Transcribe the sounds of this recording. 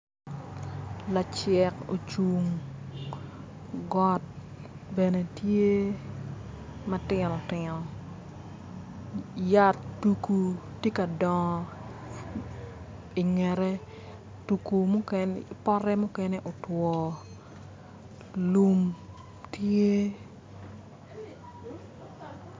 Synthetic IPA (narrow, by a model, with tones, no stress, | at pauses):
la˨t͡ʃɛ˨ko̰˨t͡ʃu˨ŋ | ɡɔ˦t̚ | bɛ˨ne˨tje˦ | matɪnɔ˨tɪ˨nɔ˨ | ja˦tːu˨ku˨tje˦ka˨dɔ˨ŋ˨ | i˨ŋɛ˨ɾɛ˦ | tu˨ku˨mu˦kɛnpɔ˦ɾɛ˦mu˦kɛ˦ne˦ʔo˨twɔ˨ | lu˦m | tje˦